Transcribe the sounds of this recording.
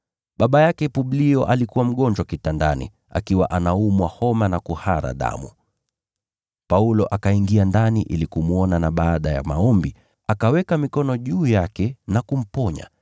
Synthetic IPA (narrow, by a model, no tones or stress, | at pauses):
ɓaɓajakɛpuɓliɔʔalikuwam̩ɠɔnd͡ʒwakitandanḭ | a̰kiwa̰ʔanaumwahɔmanakuhaɾa̰ɗa̰mu | paulɔʔakaiŋɡiandaniʔḭlikumuɔnanaɓaːɗaja̰maɔmbi | akawɛkamikɔnɔʄuːjakɛnakum̩pɔɲa̰